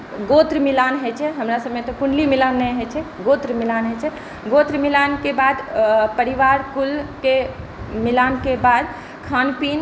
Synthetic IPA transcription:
ɡot̪ɾmilanɦɛt͡ʃʰɛɦəmɾasəbmet̪ɔkunlimilanːɛɦɛt͡ʃʰɛɡot̪ɾmilanɦɛt͡ʃʰɛ | ɡot̪ɾmilankebad̪pəɾiʋaɾkulke | milankebad̪ | kʰanpin

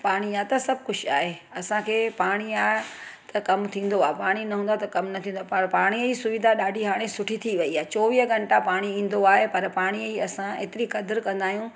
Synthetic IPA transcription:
paːɽ̃iaːt̪ɐsɐb̚ʱkʊd͡ʑʰa̰ːɦeɐsãkʰeːpaːɽ̃iaːt̪ɐkɐmt̪ʰĩːn̆d̪oaːɦepaːɽ̃inɐɦũːn̆d̪at̪ɐkɐmnɐt̪ʰĩːnd̪oapapaːɽ̃iisʊʋɪd̪ʱaɗaːɖʱiɦaːɽ̃esʊʈʰit̪ʰiʋɐiaːɦet͡ɕɔːʋiːɦəɡɐɳʈapaːɽ̃iĩːn̆d̪oaːɦepɐɾpaːɽ̃iiɐsãḛːt̪ɪɾikɐd̪ɪɾkɐ̃nd̪aːɦijũ

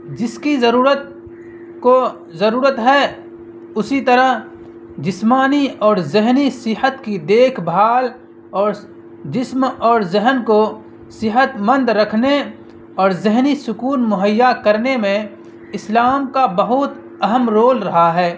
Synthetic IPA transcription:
d͡ʒɪskizəɾuːɾət̪̚ | ko | zɐɾuːɾət̪ɦɛ | ʊsit̪ɐɾəɦ | d͡ʒɪsmaːniɔːɾzɪɦnisɪɦət̪kid̪eːkʰbʱaːl | ɔːɾ | d͡ʒɪsmɔːɾzɪɦənko | sɪɦət̪mə̃nd̪ɾɐkʰne | ɔːɾzɪɦnisʊkuːnmʊɦəjːakɐɾnemẽ | ɪslaːmkabɐɦʊt̪ | ɐɦəmɾoːlɾɐɦaɦɛː

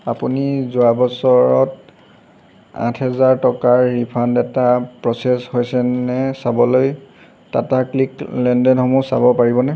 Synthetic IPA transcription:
apunizuabɔsɔɹɔt | ã̰tʰɦɛzaɹtɔkaɹːipʰandɛtapɹɔseshojsɛnɛsabɔloj | tatakliklɛndɛnxɔmusa̰bɔpaɹibɔnɛ

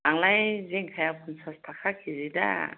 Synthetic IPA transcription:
aŋlajzeŋkʰajakʰunsastʰakʰakʰizida̰

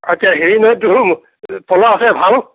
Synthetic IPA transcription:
atijaɦeɹinɔdum | pʰɔlaːsɛbʱal

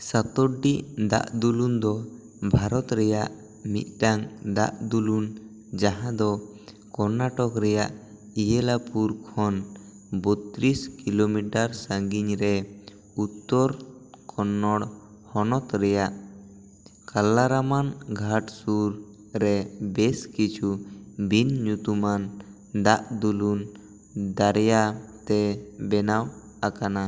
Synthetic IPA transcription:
sat̪ɔɖːiʔd̪a̰ʔd̪ulund̪ɔ | bʱaɾɔt̪ɾɛjaʔ | mḭt̪̚ʈaŋd̪a̰ʔd̪ulun | d͡ʒaɦãd̪ɔ | kɔnaʈɔkɾɛjaʔ | ijɛlapuɾkʰɔn | bɔt̪ɾiskilomiʈaɾsãŋɡiɲɾɛ | ut̪ːɔɾ | kʰɔnːɔɽ | hɔnɔt̪ɾɛjaʔ | kalːaɾamanɡʱaʈsuɾ | ɾɛbɛskit͡ʃʰubinɲut̪uman | d̪aʔd̪ulun | d̪aɾjat̪ɛbɛnaw | akana

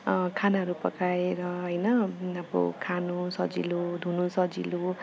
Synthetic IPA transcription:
kʰanaɦʌɾupʌkaeɾʌɦʌjnʌabʌ̰kʰanusʌd͡zḭlod̪ʱunusʌd͡zḭlo

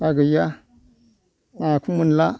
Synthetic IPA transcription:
aɡəja | makumunla

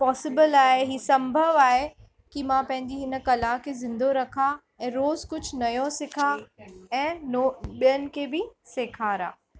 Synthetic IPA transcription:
pɔːsɪbɪlaːɦeɦiːsɐ̃mbʱəʋaːɦe | kimãpɐ̃ɦɪ̃ɲ̆d͡ʑiɦɪnə̆kɐlakʰezɪ̃nd̪ʱoɾɐkʰa | ɛ̃ːɾoːzkʊd͡ʑʱnɐjosɪkʰaɛ̃ːnoɓijənɪ̆kʰebɪseːkʰaːɾa̰ː

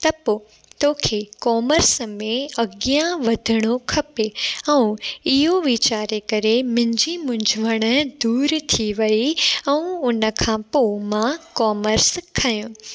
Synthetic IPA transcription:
t̪ɐpoː | t̪oːkʰekɔːməɾsəmẽɐɡjãʋɐd̪ʱɪɽ̃okʰɐpeɛ̃ũɪɦoʋiːt͡ɕaːɾekɐɾemɪ̃ɪ̃ɲd͡ʑimʊ̃ɲd͡ʑʱəʋəɽ̃ə̆d̪uːɾt̪ʰiʋɐiɛ̃ũʊnə̆kʰãːpoːmãkɔːməɾskʰɐjũ

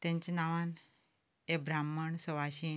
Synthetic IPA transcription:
t̪ɛ̃ɲt͡ɕenaʋãn | ebɾamːəɳsəʋaɕi

